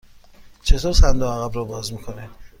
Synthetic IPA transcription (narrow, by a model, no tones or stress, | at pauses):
t͡ʃʰe̞t̪ʰoːɾsænd̪oæɣæbɾɔːbɒːzmiːkʰo̞ne